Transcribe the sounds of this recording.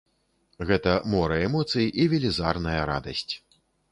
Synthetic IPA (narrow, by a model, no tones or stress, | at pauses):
ɣɛt̪ɐmɔɾɐɛmɔt̪sɨjiʔivʲɛlʲiza̰rnɐjɐɾa̰d̪ɐsʲt͡sʲ